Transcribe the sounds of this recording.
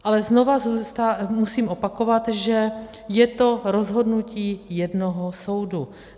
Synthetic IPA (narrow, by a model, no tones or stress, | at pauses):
ʔalɛznovazuːst̪amusiːmʔo̞pako̞vat̪ʒɛ | jɛt̪oɾo̞zɦo̞dnuciːjɛdnoɦoso̞wdu